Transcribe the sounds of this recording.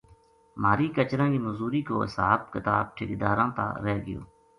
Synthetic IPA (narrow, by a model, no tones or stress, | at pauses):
maːɾiːkət͡ʃɾãːkiːməzuːɾiːkoːɦɪsaːbkɪt̪aːb̚ʈʰɪkd̪aːɾãːt̪a̰ːɾɛːɡɪjo̰ː